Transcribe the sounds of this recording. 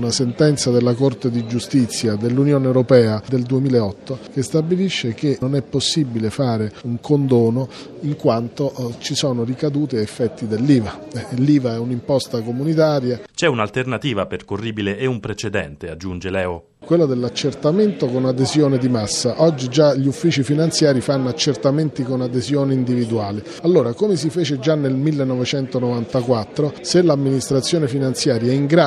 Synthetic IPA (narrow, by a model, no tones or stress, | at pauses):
nasent̪ɛnt̪sad̪elːakort̪ed̪id͡ʒust̪it̪sːjad̪elːunjoːneːwɾopɛːad̪eld̪uemiːleɔt̪ːok̟est̪abiliʃːek̟eonɛpːosːibilefaːɾeuŋkond̪oɔːno | iŋkwant̪ot͡ʃisɔːnorikad̪uːt̪eefːɛt̪ːid̪elːiːvaɛlːiːvaɛunimpɔst̪akomunit̪aːɾjat͡ʃɛunalt̪ernat̪iːvaperkorːiːbileːumpɾet͡ʃed̪ɛnt̪ead͡ʒːund͡ʒelɛːo | kwelːod̪elːat͡ʃːert̪ament̪okonad̪ezjoːned̪imasːaʔɔd͡ʒːid͡ʒaʎiufːiːt͡ʃifinant̪sjaːɾifanːoat͡ʃːert̪ament̪ikonad̪ezjoːneind̪ivid̪uaːli | alːoːɾakomes̬ifeːt͡ʃed͡ʒanːelmilːenːɔvet͡ʃɛnt̪onovant̪akwat̪ːɾoselːamːinist̪ɾat̪sːjoːnefinant̪sjaːɾjaaiŋɡɾa